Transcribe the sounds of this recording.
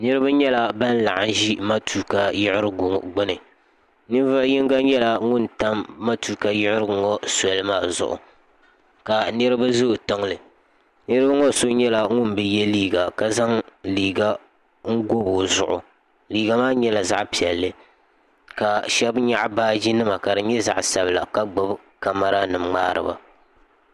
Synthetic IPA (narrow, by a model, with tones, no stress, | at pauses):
nɨ˦ɾɨ˦ba˦ɲɛ˦la˨ba˦n˦la̰˨ʔa˨n˦ʒi˦ma˦tʰuː˦ka˨jɪ˦ʔɪ˦ɾɨ˦ɡʊ˨ɡ͡bʊ˦nɨ˨ | nɨ˦vɨ˦jɪ˦ŋɡa˦ɲɛ˦la˨ŋʊ˦nta˦mːa˦tuː˦ka˨jɪ˦ʔɪ˦ɾɨ˦˨ŋɔ˦sɛ˨˦lɨ˦maː˦˨zʊ̰˦˨ʔʊ̰˨ | ka˨nɨ˦ɾɨ˦ba˦zʊ˦˨tɨ˦ŋlɨ˨ | nɨ˦ɾɨ˦ba˦ŋɔ˦so˦ɲɛ˦la˨ŋʊ˦nbɛ˦jɛ˦liː˦ɡa˨ka˨za˦ŋliː˨ɡa˦ | ŋ̩˦ɡo˦bʊ˨zʊ˨ʔʊ̰˨ | liː˨ɡa˨maː˦ɲɛ˦la˨za̰˦ʔpi˨ɛ˨lːɨ˦ | ka˨ʃɛ˦bɲa˦ʔbaː˦d͡ʒi˦nɨ˦ma˨ka˨dɨ˨ɲɛ˦za̰˨ʔsa˨bɨ˨la˨ka˦ɡ͡bɨ˦b | ka˨ma˨ɾa˦nɨ˨mŋ͡maː˦ɾɨ̰˨ba̰˨